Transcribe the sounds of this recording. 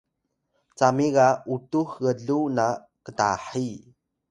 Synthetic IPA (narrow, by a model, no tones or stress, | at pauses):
t͡samiɣautuxɣəɮuna | kəta̰ħi